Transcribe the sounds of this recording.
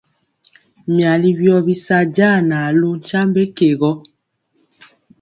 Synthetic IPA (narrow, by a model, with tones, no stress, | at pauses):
mja˨li˦bjɔ˦bi˦sa˦ɟa˦˨na˨lu˦n˦t͡ʃa˦mbe˦ke˨ɣɔ˦